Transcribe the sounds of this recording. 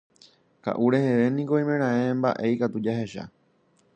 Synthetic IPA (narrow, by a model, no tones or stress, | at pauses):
ka̰ʔuɾe̞he̞ʋe̞nĩko̞ĩmẽ̞ɾ̃ãẽmba̰ʔe̞ikat̪ud͡ʒaɦe̞ʃa̰